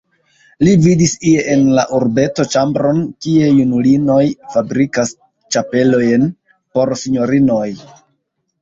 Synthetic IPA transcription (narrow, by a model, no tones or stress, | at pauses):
lividisieʔenlaʔuɾbe̞to̞t͡ʃambɾo̞nkie̞junulino̞jfabɾikas | t͡ʃape̞lo̞jn | po̞ɾsiɲo̞ɾino̞j